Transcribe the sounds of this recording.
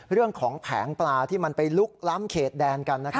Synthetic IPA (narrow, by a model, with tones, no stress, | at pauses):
ɾɯ˥˩əŋkʰɔː˩˦ŋpʰɛ̰ː˩˦ŋplaː˧t̪ʰiː˥˩ma˧npa˧jlu˦˥k̚la˦˥mkʰeː˨˩t̪̚dɛː˧nka˧nːa˦˥